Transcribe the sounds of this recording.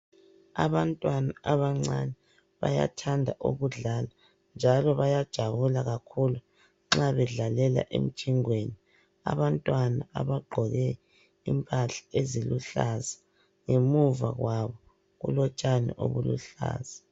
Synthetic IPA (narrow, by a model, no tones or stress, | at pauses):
a̰βantʼwanaʔaβaŋ͡ǀanɛ | βa̰ja̰tʰandʱaʔo̰ɣuɮala | nd͡ʒʱalɔβajad̥ʒ̥ʱaβulaɣakʰulu | ŋ͡ǁaβɛɮalɛla̰ʔḛm̩t͡ʃʰiŋweni | a̰βantʼwanaʔaβaɡ͡ǃʱɔɣɛ | ḭmpʼaɬḁeziluɬaza | ŋemuva̰ɣwaβɔ | ɣṵlɔt͡ʃʼanɛ̰ʔo̰βulṵɬa̰ːz̥a